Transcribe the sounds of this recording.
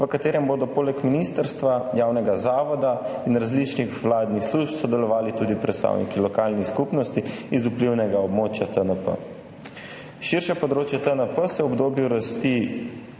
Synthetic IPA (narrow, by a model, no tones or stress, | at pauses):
ʋəkat̪eːɾɛmboːd̪ɔpoːlɛkminist̪əɾst̪ʋajaːwnɛɡazaːʋɔd̪ainɾazlit͡ʃnixʋlaːd̪nixsluʒpsɔd̪ɛlɔʋaːlit̪uːd̪ipɾɛt̪st̪a̰wnikilɔkalnixskupnɔst̪iizupliwnɛɡaɔbmoːt͡ʃjat̪ənəpə̰ | ʃiɾʃɛpɔd̪ɾoːt͡ʃjɛt̪ənəpəsɛwɔbd̪oːbjuɾast̪i